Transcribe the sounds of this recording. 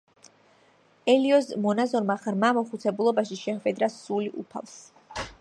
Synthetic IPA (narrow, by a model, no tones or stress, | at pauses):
ɛliɔzmɔnazɔɾmaʁɾmamɔχut̪sʰɛbulˠɔbaʃiʃɛχwɛd̪ɾasuliʔṵpʰa̰lˠs